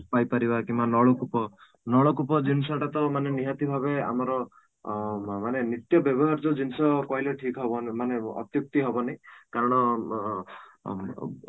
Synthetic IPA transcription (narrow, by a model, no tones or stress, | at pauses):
pajpaɾibakimbanɔɭɔkupɔ | nɔɭɔkupɔd͡ʒinsɔʈat̪ɔmaneniɦat̪ibʱaβea̰mɔɾɔ | manenit̪jɔbjɔbɔɦaɾd͡ʒod͡ʒinsɔkɔɦileʈʰikɔɦɔbɔnmaneɔ̰t̪juk̚t̪iɦɔbɔnajkaɾɔɽ̃ɔ